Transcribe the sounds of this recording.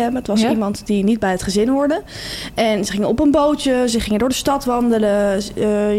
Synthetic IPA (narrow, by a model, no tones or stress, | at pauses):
ɛməətʋɑsimɑntdinid̚bɛjətχəzɪnɦʊːɹdə | ʔɛnsəχɪŋənɔpənbowtəzəχɪŋədʊːɹdəstɑtʋɑndələ